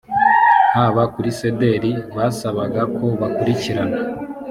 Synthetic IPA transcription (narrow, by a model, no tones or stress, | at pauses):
n̥aːβakuɾise̞de̞ɾiβaːsaβaɡakʰo̞βakuɾiciɾana